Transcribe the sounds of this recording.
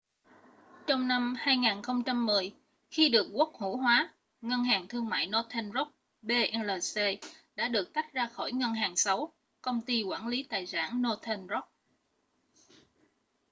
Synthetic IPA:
t͡ɕɔ˧wŋ͡mna˧mhaː˧jŋaː˨˩nxə˧wŋ͡mt͡ɕa˧mːɨ˨˩əj | xi˧ɗɨ˨˩ək̚ku˦˥ək̚hṵ˧˥ɦwaː˨˦ | ŋə˧nɦaː˨˩ŋt̪ʰɨ˧əŋma̰ː˧˨jno˧t̪ʰɛ˧nzo˦˥k͡p̚ | ɓe˧ʔɛ˧nləː˨˩se˧ɗa̰ː˧˥ɗɨ˨˩ək̚t̪a˦˥k̚zaː˧xɔ˧˩jŋə˧nɦaː˨˩ŋsa˨˦w | kə˧wŋ͡mt̪i˧kwaː˧˩nli˨˦t̪a̰ː˨jsa̰ː˧˩nno˧t̪ʰɛ˧nzɔ˦˥p̚

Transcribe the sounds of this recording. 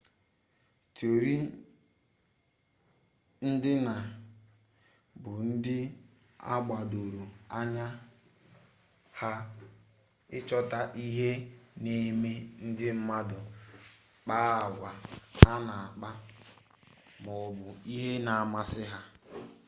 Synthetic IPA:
to˨ɾi˦ | n̩˦dɪ˦na˨ | bʊ˨n̩˦dɪ˦ | a̰˦ɡ͡ba˨do˨ɾu˨a˦ɲa˦ | ha˦ | ɪ˦t͡ʃɔ˦ta˦ʔi˦ɦe˦ne˦me˦n̩˦dɪ˦m̩˦ma˦dʊ˨ | k͡paː˦a˨ɡʷa˨ha˦na˨a˨k͡pa˦ | mɔ˨bʊ˨i˦ɦe˦na˨a˨ma˦sɪ˦ɦa˦

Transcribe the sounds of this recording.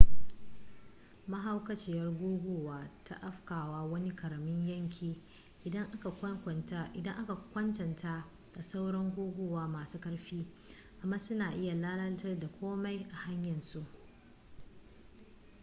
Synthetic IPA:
mɐ˦ɦa˦wkɐ˦t͡ʃɪ˦˨jɐ˦rɡʷoː˦ɡʷoː˨waː˨ta̰˦ʔa˦ɸkaː˨waː˦wɐ˦ni˦kɐ˨ɽɐ˨mɪ˦ɲjɐ˦ŋkʲʰiː˨ | ʔɪ˨dɐ˦ŋʔa˦ka˨kʷɐ˦ŋkʷɐ˨ntaː˦ʔɪ˨dɐ˦ŋʔa˦ka˨kʷɐ˦ntɐ˨ntʰaː˦ | d̥a˨sa˦wɽɐ˦ŋɡʷoː˦ɡʷoː˦˨waː˦maː˨suː˦kɐ˦ɽɸiː˦ | ʔa˨mːaː˦sʊ˦naː˨ʔɪ˦ja˨laː˦lɐ˦ltɐ˦rda˨kʷoː˦ma˦jʔa˨ha˦ɲjɐ˨nsu˦ʔ

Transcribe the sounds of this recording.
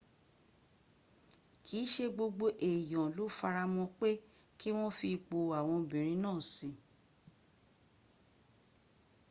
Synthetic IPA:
kʰi˨˦ʃe˧ɡ͡bo˧ɡ͡bo˧ʔe˨jɔ̃˨lo˨˦fa˧ɾa˧mɔ̃˧k͡pe˦ | ki˦w̃ɔ̃˦fi˧k͡po˧a˨w̃ɔ̃˧bĩ˨ɾ̃ĩ˧˦nãː˦˨si˨˦

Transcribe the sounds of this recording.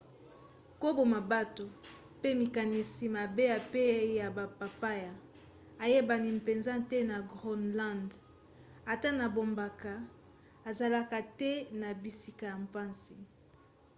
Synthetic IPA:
ko˦bo˨ma˨ba˦to˨ | pe˦mi˨ka˨ni˨si˨ma˨be˦ja˨pe˦ja˨ba˨pa˨pa˦ja˨ | a˨je˦ba˨ni˨m˨pe˨nza˦tɛ˦na˨ɡʁɔ˦nlã˦˨nd | a˨ta˦na˨bo˨mba˨ka˨ | a˨za˨la˨ka˨tɛ˦na˨bi˨si̥˦˨ka˨ja˨mpa˦nsi˨

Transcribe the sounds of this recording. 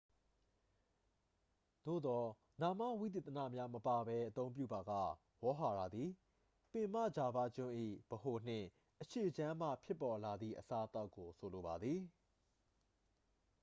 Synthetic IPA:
d̪̥o̰˦˨d̪ɔ˨ | na˨mä̰˦˨wi˦˨t̪̬e˨t̪əna̰˦˨mja˦məpa˨bɛ˦ʔə˦t̪õ˦ʊ̃mp̬jṵ˦˨ba˨ɡa̰˦˨ | wɔ˦ɦa˨ɾa˨d̪ði˨ | pɪ̃˨m̥ä̰˦˨d͡ʑa˨ba̰˦˨d͡ʑʊ̃˦ʔḭ˦˨b̥əho˨n̥ɪ̰̃˦˨ | ʔəʃe˨d͡ʑã˦m̥ä̰˦˨pʰjɪ˦pːɔ˨la˨d̪ðḭ˦˨ʔəsa˦ʔə˦t̪a˦ʊkːo˨sʰo˨lo˨ba˨d̪ði˨

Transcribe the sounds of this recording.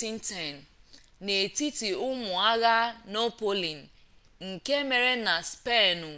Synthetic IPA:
i˦n̩˦tɛ˨n̩˨ | ne˨ti˦ti˨ʊ˦mʊ˨a˦ɣa˦no˦po˦li˨n̩˨ | ŋ̩˨ke˦me˨ɾe˦na˨spe˦˨nʊ˨

